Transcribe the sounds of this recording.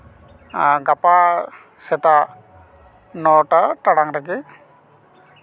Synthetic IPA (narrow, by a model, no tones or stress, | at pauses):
ɡapa | sɛt̪a | nɔʈaʈaɽaŋɾaki